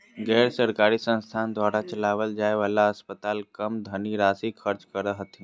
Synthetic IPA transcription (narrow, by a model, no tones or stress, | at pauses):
ɡɛːɾsəɾkaːɾisə̃nst̪ʰaːnd̪waːɾat͡ʃəlaːʋəld͡ʒaːeʋaːlaəspət̪aːlkəmd̪ʱəniɾaːsikʰəɾt͡ʃkəɾəɦət̪ʰĩ